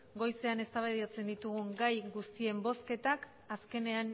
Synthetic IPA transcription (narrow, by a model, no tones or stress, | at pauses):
ɡo̞jse̞ane̞st̪aβeðiat͡se̞nd̪it̪uɣuŋɡajɡust̪ie̞mbo̞ske̞t̪ak | aske̞ne̞an